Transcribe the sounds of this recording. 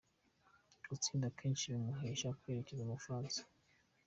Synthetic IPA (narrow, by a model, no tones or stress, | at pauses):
ɡut͡siːndakʰeːnt͡ʃiɾumuɦeʃakweːɾecezemufɾaːnsḁ